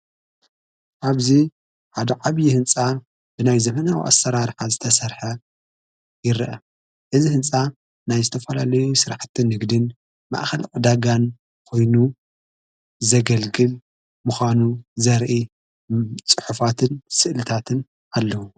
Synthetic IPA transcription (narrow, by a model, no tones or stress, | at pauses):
ʔaβzi | ħad̪ɐʕaβjihɨnt͡sʼa | b̥ɨnajzɐmɐnawḭʔa̰sːɐɾaɾħazɨt̪ʰɐsɐɾħɐ | jɪɾʔɐ | ʔɨzihɨnt͡sʼa | najzɨt̪ʰɐfɐlalɐjusɨɾaħt̪ʰɨnːɨɡd̪ɨn | ma̰ʔxɐlqʼɨd̪aɡan | kʰo̞jnu | zɐɡɐlɡɨl | muxʷanuzɐɾʔi | t͡sʼɨħufat̪ʰɨnsɨʔlɨt̪ʰat̪ʰɨn | alːɐwu